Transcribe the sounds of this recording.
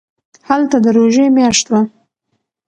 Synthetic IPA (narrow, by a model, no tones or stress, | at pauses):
halt̪ad̪əɾoʒemjɑʃt̪wa